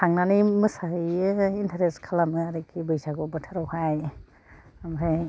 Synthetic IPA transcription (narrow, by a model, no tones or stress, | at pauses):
tʰaŋnanimɯsajɯintʰaɾeskʰalamɯaɾikʰibɯjsaɡɔbɯtʰaɾɔwhaj | amɾaj